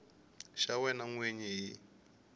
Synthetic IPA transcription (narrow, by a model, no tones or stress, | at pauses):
ʃawɛnaŋweɲiji